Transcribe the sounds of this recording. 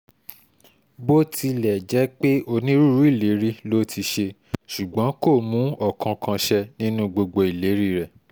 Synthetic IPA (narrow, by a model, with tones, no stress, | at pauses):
bo˦ti˧lɛ˨d͡ʒɛ˨˦k͡pe˦o˧nĩ˦ɾu˦ɾu˦i˦˨le˨˦ɾi˦lo˦tʰi˧ʃe˧ | ʃu˨ɡ͡bɔ̃˨˦ko˦˨mũ˨˦ɔ˦˨kʰã˧kʰã˧ʃɛ˧nĩ˦nũ˦ɡ͡bo˧ɡ͡bo˧i˨le˨˦ɾi˦ɾɛ˨